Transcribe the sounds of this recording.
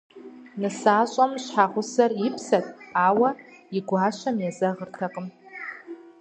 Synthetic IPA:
nɨsaɕʷʼamʃʷħaʁʷʊsaripʰsatʼawaiɡʷaʃʷamjazaʁərtʰaqʼəm

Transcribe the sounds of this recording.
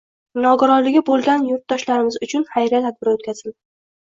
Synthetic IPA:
nɒɡʊɾɒnlːɪɡʲɪbolˠɡʲanjʊɾt̪̚d̪ɒʃlaɾɪmɪzʊt͡ʃʰʊnχajɾat̪ʰad̪̚bɪɾot̪kʲaz̥ɪl

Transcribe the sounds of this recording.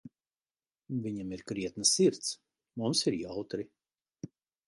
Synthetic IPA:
viɲamiɾkɾiɛt̪nasiɾt̪s | mumsiɾjawt̪ɾi

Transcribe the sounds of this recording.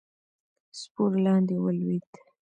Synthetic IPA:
spoɾlɑnd̪ewəlwid̪

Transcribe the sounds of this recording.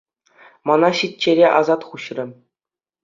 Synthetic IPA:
mɑnɑɕitʲt͡ɕːeɾʲeʔɑzɑt̪χuɕrʲɘ̆

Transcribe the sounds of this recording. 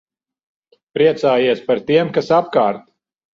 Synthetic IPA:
pɾiɛt̪saːjiɛspaɾt̪iɛmkasapkaːɾt̪

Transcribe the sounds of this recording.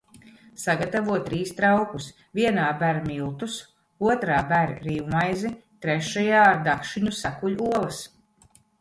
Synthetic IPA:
saɡat̪avuɔtt̪ːɾiːst̪ɾawkus | viɛnaːbæɾmilˠt̪us | uɔt̪ɾaːbæɾ̰ɾiːwmajzit̪ɾeʃajaːɾd̪akʃiɲusakuʎuɔlˠɐs

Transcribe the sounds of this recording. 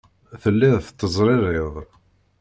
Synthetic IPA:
θəlːɪðθət̪ːəzˤɾˤɪɾˤɪðˤ

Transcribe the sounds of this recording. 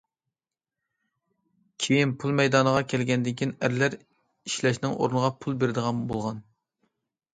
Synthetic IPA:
kʲʰejinpʰulˠmɛjd̪ɑnəʁɑkʲʰɛlɡʲɛnd̪ɪkʲʰinæɾlæɾ | iʃlɛʃnɪŋʔo̰ɾnəʁɑpʰulˠbeɾɪd̪əʁɑmbolˠʁɑn

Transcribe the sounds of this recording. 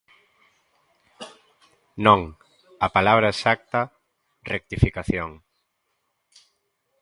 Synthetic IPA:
nõŋ | ɐpalaβɾɐesak̚t̪ɐ | rek̚t̪ifikaθjoŋ

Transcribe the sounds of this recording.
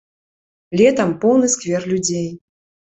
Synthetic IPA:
lʲɛt̪ɐmpɔwnɨskvʲɛrlʲud͡zʲej

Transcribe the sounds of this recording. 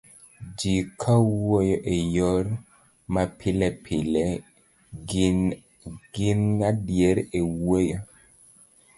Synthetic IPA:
d͡ʒikʰawojɔʔejɔɾ | mapʰilɛpʰilɛ | ɡ̥ɪnŋadjeɾewojɔ

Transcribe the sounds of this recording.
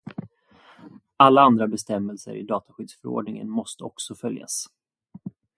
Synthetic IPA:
alːaand̪ɾabɛst̪ɛmːəlsə̰ɾɪ̰d̪ɑːt̪aɧʏd̪sfœɾo̰ːɖɳɪŋə̰nmɔst̪əɔksɔfœlja̰s

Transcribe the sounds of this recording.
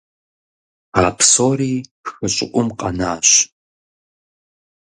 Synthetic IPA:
aːpʰsoːɾiːpxɨɕʼɪ̰ʔʷʼʊmqʼɐnaːɕ

